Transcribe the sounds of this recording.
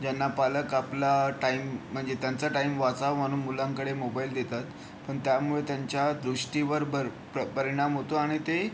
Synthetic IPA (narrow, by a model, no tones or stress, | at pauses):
d͡ʑanːapaləkaplaʈaim̤ːəɳd͡zet̪jant͡saʈaimʋat͡samaɽ̃umulãŋkəɽemobaild̪et̪at̪ | pəɳt̪jamuɭet̪jaɲt͡ɕjad̪ɾuʂʈiʋəɾbəɾ | pəpəɾiɽ̃amɦot̪oaɽ̃it̪e